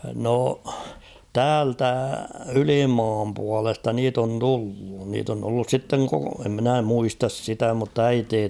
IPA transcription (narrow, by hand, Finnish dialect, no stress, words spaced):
no tæːltæ ylimɑːm puɑlestɑ niːt on tulːu niːt on tulːus sitːeŋ koko em minæ muistɑs sitæ mutː æiteː